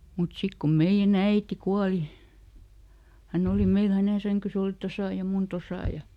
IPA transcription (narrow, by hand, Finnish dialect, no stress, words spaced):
mut sik ko meij̆æn æiti kuɑli hænː oˑli meil hæneˑ sæŋkys oˑli tosɑˑ jɑ mun tosɑˑ jɑ